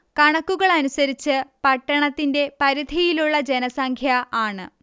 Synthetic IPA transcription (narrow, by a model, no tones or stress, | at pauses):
kɐɳɐkːuɣɐɭɐnusɐɾit͡ɕːɨpɐʈːɐɳɐt̪ːinde̞pɐɾid̪ʱijiluɭːɐd͡ʑe̞nɐsɐŋkʰjɐaːɳɨ